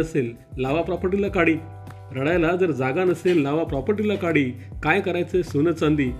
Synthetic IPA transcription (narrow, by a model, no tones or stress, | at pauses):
əselː | aʋapɾɔpəɾʈilakaɽiː | ɾəɽajlad͡zəɾd͡zaɡanəselːaʋapɾɔpəɾʈilakaɽiː | kajkəɾajt͡sesunət͡sãnd̪iː